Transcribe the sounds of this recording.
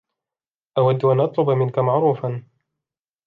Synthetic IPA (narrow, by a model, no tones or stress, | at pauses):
ʔawad̪ːʊʔanʔɑt̪ˤlʊbmɪnkamaʕɾuːfan